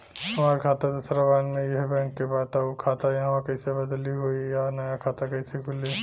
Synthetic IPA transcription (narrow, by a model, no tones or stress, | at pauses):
ɐmaːɾkʰaːt̪ad̪ɐsɾabaːnmẽjɐɦbɛ̃ːŋkːebaːt̪aukʰaːt̪ajɐɦãʋãkɐisebɐd̪liɦoːijanɐjakʰaːt̪akɐisekʰʊle